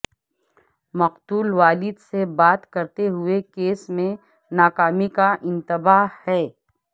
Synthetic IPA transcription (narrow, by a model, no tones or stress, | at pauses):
mɐqt̪uːlʋaːlɪd̪sebaːt̪kɐɾt̪eɦʊekeːsmẽ | naːkaːmikaʔɪ̃nt̪ɪbaːhɛː